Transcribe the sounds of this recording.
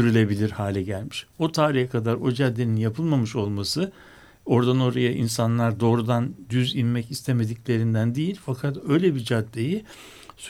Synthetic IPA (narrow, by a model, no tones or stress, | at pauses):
yɾylʲe̞bilʲiɾhaːlʲɛɟælʲmiʃo̞t̪ʰaːɾijɛkʰad̪aɾo̞d͡ʒad̪ːe̞ninjapʰɯlˠmamɯʃo̞lˠmasɯ | o̞ɾd̪ano̞ɾajaʔinsanlˠaɾd̪o̞ːɾud̪and̪yzinmɛcist̪ʰeme̞d̪iclʲe̞ɾind̪ænd̪ejilʲfakʰat̪ø̞jlʲebid͡ʒad̪ːeji | s